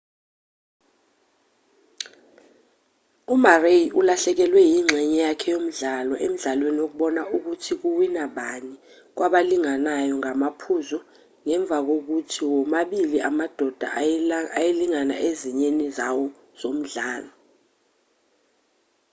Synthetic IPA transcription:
umarejiʔulaɬɛk̬ɛlwɛjiŋ͡ǁʱɛɲɛjakʰɛjom̩ɮalɔʔem̩ɮalweniwok̬uɓɔnaʔuk̬utʰik̬uwinaɓani | k̬waɓaliŋanajɔŋamapʰuzɔ | ŋɛɱb̪vʱak̬ok̬utʰiwɔmaɓiliamad̥ʱɔd̥ʱa̰ajeliŋana̰ʔeziɲenizawɔ | z̥om̩ɮaːlɔ

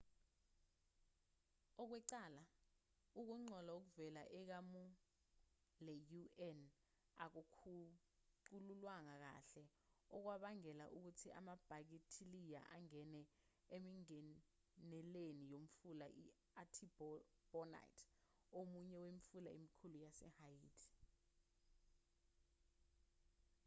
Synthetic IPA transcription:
ɔk̬wɛǀaːla | uk̬uŋ͡ǀʱɔlauk̬uvɛlaʔɛk̬amu | lɛjuɛn | a̰k̬ukʰu | ǃululwaŋak̬a̰ɬɛ | ɔk̬waɓaŋɛlaʔuk̬utʰiʔa̰mab̥ʱak̬itʰilija̰ʔaŋɛnɛ | emiŋɛ | nɛlenijom̩fulaʔi | atʰibb̥ɔna̰jtʰ | omuɲɛwemifulaḛmikʰulujasɛ̰hajiːtʰi̥

